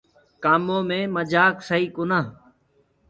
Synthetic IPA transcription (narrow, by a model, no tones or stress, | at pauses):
kaːmõːmẽːməd͡ʒaːksəiːkʊnaː